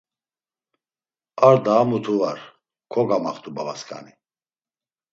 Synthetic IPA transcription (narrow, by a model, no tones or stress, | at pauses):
aɾd̪aːmut̪ʰuvaɾ | kʰɔɡamaχt̪ʰubavaskʰʼa̰ni